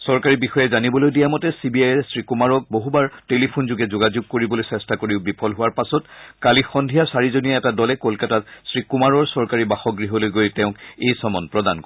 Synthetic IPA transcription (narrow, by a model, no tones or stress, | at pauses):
sɔɹkaɹibixɔjɛzanibɔlojdijamɔtɛsibiajɛsɹikumaɹɔk̚boɦubaɹtelipʰunzʊɡɛzʊɡazuɡ̚koɹibɔlojsɛstakoɹiʊbipʰɔlɦʊwaɹpasɔtkalixɔndʱijasaɹizonijɛɛtadɔlɛkolkatatsɹikumaɹɔɹsɔɹkaɹibaxɔɡɹiɦɔlojɡojtɛ̃ʊ̃kejsɔmɔnpɹɔdankɔ